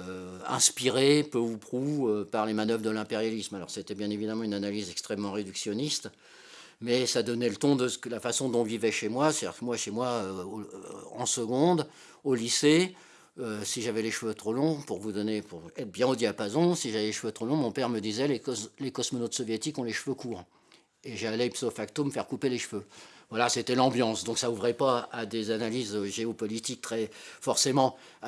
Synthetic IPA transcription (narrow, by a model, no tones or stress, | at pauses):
ɛ̰̃spiʁepøupχuøpaʁlemanœvʁd̪əlɛ̃peʁjalismalɔ̰ʁset̪ɛbjɛ̃nevid̪amɑ̃ynanalizɛkst̪χɛmːɑ̃ʁed̪yksjɔnist̪ | mɛsad̪ɔnɛlət̪ɔ̃d̪əsklafasɔ̃d̪ɔ̃vivɛʃemwase̥t̪ad̪ḭʁkmwaʃemwaø | ɑ̰̃səɡɔ̃d̪ | olise | øsiʒavɛleʃføt̪χolɔ̃puʁvud̪ɔnepuʁɛt̪χbjɛ̃od̪iapazɔ̃siʒavɛleʃføt̪χolɔ̃mɔ̃pɛʁməd̪izɛlelekɔsmɔnot̪sɔvjet̪ikɔ̃leʃføkuːʁ | eʒalɛpsofakt̪oməfɛʁkupeleʃføvwalaset̪ɛlɑ̃bjɑ̃sd̪ɔ̃ksauvʁɛpaad̪ezanalizøʒeɔpɔlit̪ik̚t̪χɛfɔʁsemɑ̃